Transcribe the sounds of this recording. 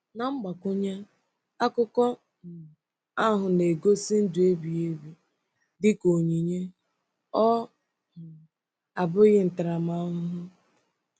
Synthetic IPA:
na˨ŋ͡m̩˦ɡ͡ba˨kʊ˦ɲa˦ | a˦kʊ˦kɔ˦˨ | a˦ɦʊ˨ne˨ɡo˦si˦n̩˦dʊ˨e˦bi˨e˦bi˨ | dɪ˦ko˨ɲi˨ɲe˦ | ɔ˦˨ | a˨bʊ˦ɣɪ˦n̩˨ta˨ɾa˨ma˦ʊ˦ɦʊ˦

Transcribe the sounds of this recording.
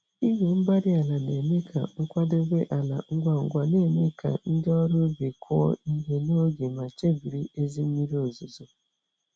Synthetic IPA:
i˦ɦe˨m̩˦ba˦ɾɪ˦a˨la˨ne˨me˦kʰa̰˨ŋ̩˦kʷa˦do˦ɡʷe˦ʔa˨la̰˨ŋ̩˦ɡʷa˦ŋ̩˨ɡʷa˨ne˦˨me˦ka̰˨n̩˦dɪ˦ɔ˦ɾo˦be˨kʰɔ˦ɔ̰˦i˦ɦe˨no˦ɡe˨ma˨t͡ʃe˦bi˨ɾi˦e˦zi˦m̩˦mi˦ɾi˦o˨zʊ˨zʊ˨

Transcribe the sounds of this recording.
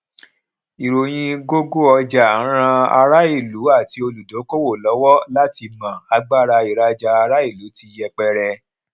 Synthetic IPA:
i˨ɾo˨j̃ĩ˧ɡo˦ɡo˦ɔ˧d͡ʒa˨˦ɾ̃ã˧a̰˧ɾa˦i˦˨lu˨˦a˦˨ti˧o˧lu˨do˨˦ko˦wo˦˨lɔ˨˦wɔ˦la˦ti˧mã˨a˧ɡ͡ba˦˨ɾa˧i˨ɾa˧d͡ʒa˧a˧ɾa˦i˦˨lu˨˦ti˧˦jɛ˧k͡pɛ˧ɾɛ˧

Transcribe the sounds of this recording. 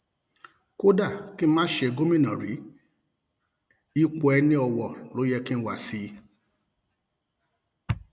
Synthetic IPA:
ko˦da˦˨ki˦mãː˦ʃe˧˨ɡo˦mĩ˦˨nã˨ɾḭ˨˦ | i˦k͡po˧ɛ˧nĩ˦ɔ˧wɔ˨lo˨˦jɛ˧kĩ˦ñ̩˦wa˨si˧

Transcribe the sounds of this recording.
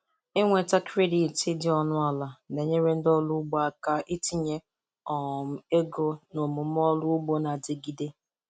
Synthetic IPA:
e˦ŋʷe˨ta˦kɾe˦di˨tɪ˦dɪ˨ɔ˦nʊ˦a˨la˨ne˨ɲe˦ɾe˦n̩˦dɔ˦lʊ˦ɡ͡ba˦˨ka˦ʔi˦ti˦ɲe˦ | ɔ˨m̩˦e˦ɡo˦no˨mʊ˨m˦ɔ˦lʊ˦ʊ˦ɡ͡bo˦na˨dɪ˨ɡi˦de˦

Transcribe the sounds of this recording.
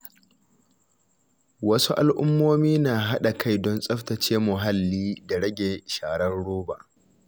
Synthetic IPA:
wɐ˦su˦ʔa˨lʔʊ˦mːoː˦miː˦naː˨ɦa˦ɗa˨kʰa˦˨jdɔ˦nsʼɐ˦ɸtɐ˨t͡ʃeː˦mʊ˨ɦa˦lːiː˦da˨ɽɐ˦ɡʲeː˨ʃaː˨ɽɐ˦nɽoː˦baː˨ʔ

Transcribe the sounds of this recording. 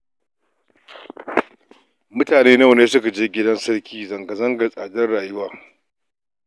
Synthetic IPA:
mʊ˦taː˨neː˦na˦˨wneː˦sʊ˦ka˨d͡ʒeː˦ɡʲɪ˦dɐ˦nsɐ˦ɾkʲʰiː˦zɐ˨ŋɡɐ˨zɐ˦ŋɡɐ˨rsʼaː˨dɐ˦rɽaː˨jʊ˦waː˨

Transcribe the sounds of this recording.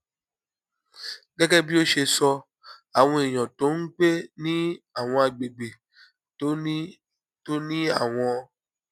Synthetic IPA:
ɡɛ˦ɡɛ˦bi˦o˦ʃe˧sɔ˧ | a˨w̃ɔ̃˧i˨j̃ɔ̃˨to˨˦ŋ̩˦k͡pe˦nĩ˦a˨w̃ɔ̃˧a˨ɡ͡be˨ɡ͡be˨˦ | to˦nĩ˦a˦˨w̃ɔ̃˧

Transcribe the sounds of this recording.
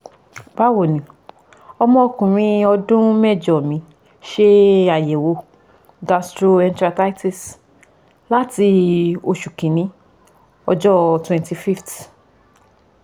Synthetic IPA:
ba˦wo˨nĩ˨˦ | ɔ˧mɔ̃˧kũ˨ɾ̃ĩ˧ɔ˧dũ˦mɛ˦˨d͡ʒɔ˨mĩ˧˦ | ʃe˦a˨je˨wo˧˦ | ɡa˧stɾo˧ɛ̃˧ntɾa˧ta˦ti˦˨s | la˦ti˧o˧ʃu˨kĩ˨nĩ˨˦ | ɔ˧d͡ʒɔ˦twɛ̃˧nti˧fi˦ft

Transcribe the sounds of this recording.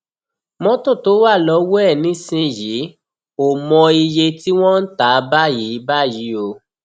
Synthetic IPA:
mɔ̃˦tõ˦˨to˨˦wa˦˨lɔ˧˦wɛ˦˨nĩ˨˦sĩ˧ji˨˦ | o˨mɔ̃˧i˧je˧ti˦w̃ɔ̃˦n̩˦ta˨˦ba˦ji˨˦ba˦ji˨˦o˧

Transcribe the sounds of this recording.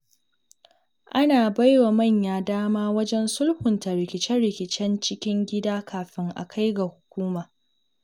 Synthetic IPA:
ʔa˦naː˨ba˦jwa˨mɐ˦˨ɲjaː˨daː˦maː˦wɐ˦d͡ʒɛ˦nsʊ˦lɸʊ˨nta˨ɾɪ˨kʲɪ˨t͡ʃɛ˦nɽɪ˨kʲɪ˨t͡ʃɛ˦nt͡ʃɪ˦kʲɪ˦ŋɡʲɪ˦daː˦kʰaː˨ɸɪ˦ŋʔa̰˨kʰa˦jɡa˨hʊ˨kʷuː˦maː˨

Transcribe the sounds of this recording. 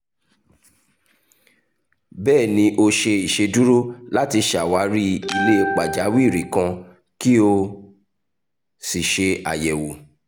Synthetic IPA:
bɛː˦˨nĩ˧ʔo˧ʃe˧i˨ʃe˧du˦ɾo˦la˦ti˧ʃa˨wa˨˦ɾi˦i˧le˦e˧k͡pa˨d͡ʒa˨˦wi˦˨ɾi˨kã˧ | ki˦o˧ | si˨ʃe˧a̰˨jɛ˨wo˨

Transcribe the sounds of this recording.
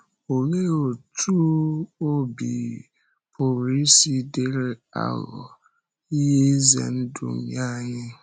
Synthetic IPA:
o˨ŋe˦o˨tʰu˦o˦bḭ˨ | pʊ˨ɾi˦si˦de˦ɾe˦a̰˨lɔ̰˨ | i˦ɦe˦zḛ˨n̩˦dṵ˨m̩˨ɲa˦˨ɲɪ˦

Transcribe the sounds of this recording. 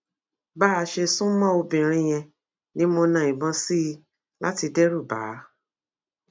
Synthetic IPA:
baː˦a˧ʃe˧sũ˦mɔ̃˦o˧bĩ˨ɾ̃ĩ˧j̃ɛ̃˧ | nĩ˦mo˧nã˨ĩ˨bɔ̃˧si˦˧ | la˦ti˧dɛ˦ɾu˦˨ba̰˨˦

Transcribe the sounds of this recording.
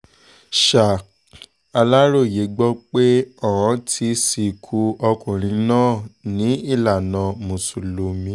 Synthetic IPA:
ʃa˨ | a˧la˦ɾo˦˨je˨˦ɡ͡bɔ˦k͡pe˦ɔ˦˨wã˨˧˦tʰi˧si˧kʰu˧ɔ˧kũ˨ɾ̃ĩ˧nãː˦˨nĩ˨˦i˦˨la˨nã˨˧mũ˨su˨lo˨˧mĩ˧˦

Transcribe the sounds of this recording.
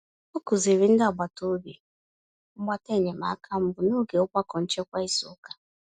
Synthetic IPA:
o˦ku˨ze˨ɾi˦n̩˦da˨ɡ͡ba˨to˦bi˨ | ŋ͡m̩˦ɡ͡ba˦te˦˨ɲe˨ma̰˨a˦kʰa˦m̩˦bʊ˨nu˦ɡe˨ʊ˦kʷa˦kɔ˨n̩˦t͡ʃe˦kʷa˦i˦sʊ̰˨ʊ˦ka˦

